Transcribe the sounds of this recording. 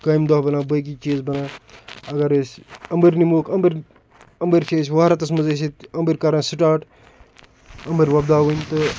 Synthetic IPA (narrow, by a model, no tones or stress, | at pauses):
kaːimd̪ɐɦbɐnãːbɐk̬it͡ʃiːzbɐnaːɐɡɐɾsɐmbəɾnimoːkʰɐmbɐɾ | ɐmbəɾʲt͡ʃʰeːsʲʋaːɾɐt̪ɐsmɐzɐsit̪ɐmbəɾʲkɐɾãːsiʈaːʈ | ɐmbɐɾʲʋɐbd̪aːʋɐnʲt̪ɨ